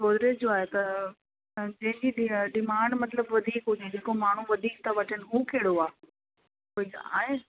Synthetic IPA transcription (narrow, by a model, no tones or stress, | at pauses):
soːd̪ɾed͡ʑoaːɦet̪ɐ | d͡ʑɐ̃ɦɪ̃ɲd͡ʑiɗɗɪmaːɳɖmɐt̪ləbʋɐd̪ʱiːkɦʊd͡ʑed͡ʑeːkomaːɳ̤uʋɐd̪ʱiːk̚t̪ɐʋɐʈʰənɪ̆ɦũːkʰeːɽoaː | oia̰ːɦe